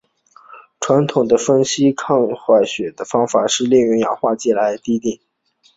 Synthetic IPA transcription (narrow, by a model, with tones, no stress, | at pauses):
ʈ͡ʂʰwa˧˥nt̪ʰʊ˨˩ŋd̪ə˦fə˥nɕi˥kʰɑ˥˧ŋxwa˥˩ɪɕɥɛ˨˩d̪ə˦fɑ˥ŋfa˨˩ʂɻ̩˥˧ljɛ˥˩ŋɥɛ˧˥jɑ̰˨˩ʊxwa˥˧t͡ɕɛ˥˩la˧˥ɪt̪i˥t̪i˥˩ŋ